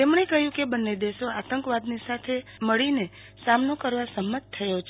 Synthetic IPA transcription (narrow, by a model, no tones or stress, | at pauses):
t̪emɳekəɦjũkebənːed̪eʃoat̪əŋkʋad̪nisat̪ʰeməɭine | samnokəɾʋasəmːət̪̚t̪ʰːəjot͡ʃʰe